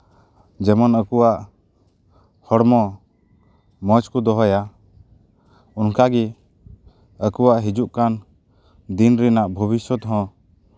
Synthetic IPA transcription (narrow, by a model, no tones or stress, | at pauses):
d͡ʒɛmɔnəkuwaʔ | hɔɽmɔ | mət͡ʃkud̪ɔɦɔja | unkaɡi | əkuwaʔɦid͡ʒuʔkan | d̪inɾinaʔbʱəβisɔt̪ɦɔ̃